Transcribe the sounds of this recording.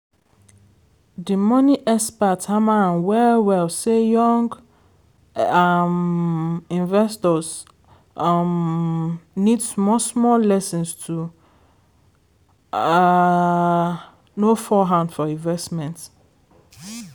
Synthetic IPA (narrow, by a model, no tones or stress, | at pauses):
dimɔ̃niʔɛspathamaãnwɛwɛlsejɔ̃ŋɡ | am | ĩnvɛstɔs | m | nidsmɔsmɔllɛsɔ̃nstʰu | nofɔɦãndfɔĩnvɛstmɛ̃nt